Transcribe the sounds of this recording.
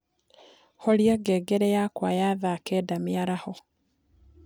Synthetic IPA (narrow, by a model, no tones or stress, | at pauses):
holjaɡeːɡeɾejakwajaðaːkeːdamiaɾaho